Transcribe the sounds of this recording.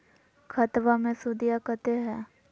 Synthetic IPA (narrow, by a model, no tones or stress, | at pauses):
kʰɐt̪ʋamẽsud̪ijakət̪eɦɛː